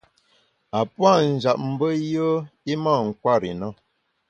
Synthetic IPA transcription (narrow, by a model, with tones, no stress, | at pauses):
a˨pwa˦˨n̩˨d͡ʒa˨p̚m̩˨bə˦jə˦i˦ma˦˨ŋ̩˨kwa˦˨ɾḭ˨nə˦